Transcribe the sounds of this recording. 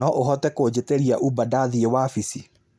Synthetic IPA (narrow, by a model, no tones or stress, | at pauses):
ɔʔoɦɔtɛkod͡ʑeteɾiaʔubadaðiewafisi